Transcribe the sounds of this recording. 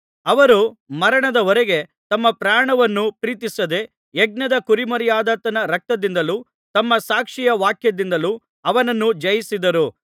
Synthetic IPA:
ɐʋɐɾumɐɾɐɳɐd̪ɐɔɾeɡe̞t̪ɐmːɐpɾaːɳɐʋɐnːupɾiːt̪isɐd̪e̞ | eɡ̚nɐd̪ɐkuɾimɐɾijaːd̪ɐt̪ɐnɐɾɐk̚t̪ɐd̪ind̪ɐlu | t̪ɐmːɐsaːkʂijɐʋaːkʰjɐd̪ind̪ɐlu | ɐʋɐnɐnːud͡ʒɐjisid̪ɐɾu

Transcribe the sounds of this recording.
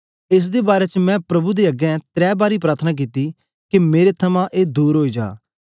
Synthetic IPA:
ɪs̬d̪eːbaːɾeːt͡ʃəmɛ̃ːpɾɐbud̪eːəɡɛ̃t̪ɾɛːbaːɾiːpɾaːt̪ʰənaːk̬iːt̪iː | kimeːɾet̪ʰəmãːʔeːd̪uːɾɦoːid͡ʒa̰ː

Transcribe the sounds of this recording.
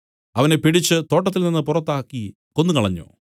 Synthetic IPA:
ɐʋɐne̞piɽit͡ɕːɨt̪o̞ːʈːɐt̪ːilninːɨpurɐt̪ːaːkːi | ko̞nːukɐɭɐɲːo̰ː

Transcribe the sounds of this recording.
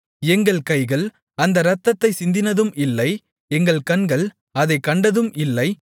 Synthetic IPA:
ɛŋɡɐɭkɐɪɣɐɭ | ɐnd̪ɐɾɐt̪ːɐt̪ːɐɪsɪnd̪ɪnɐðɯmɪlːɐɪ | ɛŋɡɐɭkɐɳɡɐɭ | ɐðɐɪkːɐɳɖɐðɯmʔɪlːɐɪ

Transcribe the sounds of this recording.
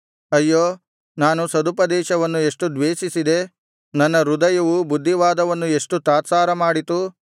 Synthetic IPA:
ɐjːoː | naːnusɐd̪upɐd̪ɛːʃɐʋɐnːue̞ʂʈud̪ʋeːʃisid̪e̞ | nɐnːɐɾud̪ɐjɐʋubud̪ʱːiʋaːd̪ɐʋɐnːue̞ʂʈut̪aːt̪saːɾɐmaːɽit̪u

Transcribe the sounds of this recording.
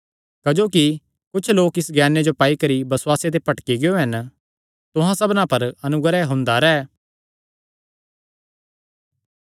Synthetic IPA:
kɐd͡ʒoːki | kʊt͡ʃʰloːkɪsɡɛːned͡ʒopaːikɐɾibɐswaːset̪̬epɐʈkiɡɪjoɦɐn | t̪ʊɦãsɐbnãpɐɾɐnʊɡɾɛɦʊ̃nd̪aɾɛː

